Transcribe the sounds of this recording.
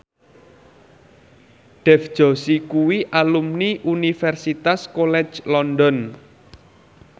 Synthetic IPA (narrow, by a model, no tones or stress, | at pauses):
ɖ̥ɛfd̥ʒ̥ɔ̤sikuwiʔalumniʔunifɛrsit̪askolɛ̥d͡ʒlɔndɔn